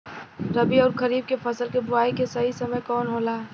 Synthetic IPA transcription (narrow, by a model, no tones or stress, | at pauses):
ɾɐbiɔːɾkɐɾiːb̚kepʰɐsəlkebʊaːikesɐɦisɐməjkɔːnɦoːlaː